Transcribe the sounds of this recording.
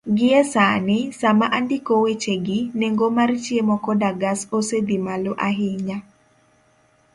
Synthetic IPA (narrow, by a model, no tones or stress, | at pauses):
ɡɪɛsanɪsamaʔandikowet͡ʃeɡɪneŋɡomart͡ʃjemɔkɔdaɡasosed̪imaloʔaɦɪɲa